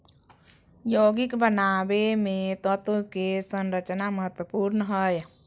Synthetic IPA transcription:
joɡikbənabemet̪ət̪okesənɾət͡ʃnaməɦət̪wəpuɾnəɦəj

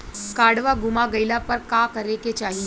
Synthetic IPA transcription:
kaːɽʋaɡʊmaɡəɪlapɐɾkakəɾeket͡ʃaːɦi

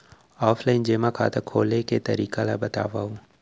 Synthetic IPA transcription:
ɔːfʰlaɪnd͡ʒemãkʰa̰ːt̪əkʰoːleket̪ə̰ɾiːkalabət̪a̰ːʋaːũ

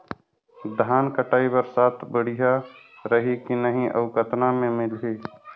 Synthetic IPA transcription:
d̪ʱaːnkəʈaːibəɾsaːt̪ʰbəɽ̤ija | ɾəɦikinəɦĩʔə̰ʋkət̪namẽmɪlɦiː

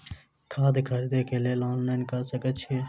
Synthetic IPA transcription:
kʰaːd̪kʰəɾd̪ekeleloːnlaɪnkəsəkət̪t͡ʃʰe

